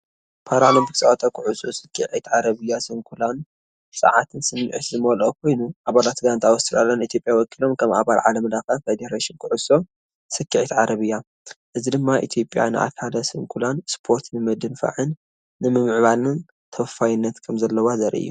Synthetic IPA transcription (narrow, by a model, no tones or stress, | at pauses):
pʰaɾalombiksʼɐʔat̪ʼɐkʰɨʕusʼosɨkʰːiʕit̪ʕaɾɐβɨjːasɨŋkʰulan | sʼɐ̰ʕat̪ʰɨnsɨnːɨʕɨt̪zɨmɐlokʰo̞jnuʔaβalat̪ɡant̪ʰawɔst̪ɨɾalonit̪ʰjo̞pʼjawɔkʰilo̞mkʰɐma̰βalʕalɐmlaxɐfed̪eɾaʃinkʰɨʕusʼo | sɨkʰːiʕit̪ʕaɾɐβɨjːa | ʔɨzid̪ɨmːaʔḭt̪ʰjo̞pʼja̰nɨʔa̰kʰalɐsɨŋkʰulanspʰo̞ɾt̪nɨmɐd̪ɨnfa̰ʕɨnː | ɨmɨmɨʕβalɨn | t̪ʰɐffajɪnːɐt̪kʰɐmzɐlːɐwazɐɾʔʔɨ̰jːu